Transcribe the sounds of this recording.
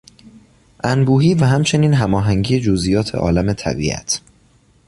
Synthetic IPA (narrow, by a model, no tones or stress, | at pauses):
ʔænbuːɦiːvæɦæmt͡ʃʰe̞niːnɦæmɒːɦæŋɟiːje̞d͡ʒozʔijɒːt̪ʰe̞ʔɒ̰ːlæme̞t̪ʰæ̰bḭːʔæ̰t̪ʰ